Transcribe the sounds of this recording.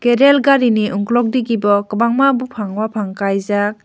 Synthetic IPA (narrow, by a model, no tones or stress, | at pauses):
keɾelɡaɾiniʔuŋklɔk̚diɡibɔkɯbaŋmabupʰaŋwapʰaŋkajzak̚